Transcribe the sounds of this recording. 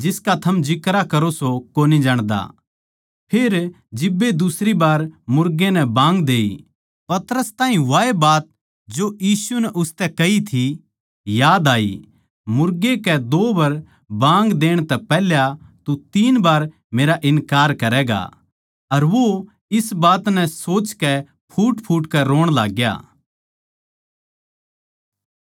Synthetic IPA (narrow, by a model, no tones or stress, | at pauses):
d͡ʒɪskat̪ʰɐmd͡ʒɪkɾakɐɾosokoːnid͡ʒaːɽ̃d̪a̰ | pʰeːɾ | d͡ʒɪbːed̪ʊsɾibaːɾmʊɾɡenɛbãːŋɡd̪eːi | pɐt̪ɾəst̪ãːɦĩʋaːebaːt̪̚ | d͡ʒojiːsunɛʔʊst̪ɛkɐɦit̪ʰi | jaːd̪aːḭ | mʊɾɡekɛd̪oːbɐɾ | bãːŋɡd̪eːɽ̃t̪ɛpɛːljat̪ut̪iːnbaːɾ | meːɾaʔɪnkaːɾkɐɾɛːɡa̰ | ɐɾʋo | ɪsbaːt̪nɛ̃soːt͡ʃkɛ | pʰuːʈpʰuːʈkɛɾoːɽ̃la̰ːɡja̰ː